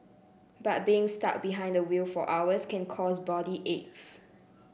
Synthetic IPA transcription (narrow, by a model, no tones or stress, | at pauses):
bat̚biɪ̃ŋsta̰k̚biɦãɪ̃ndəwilfɔ̰ʔawəskʰɛ̃nkʰɔsbɔdiʔets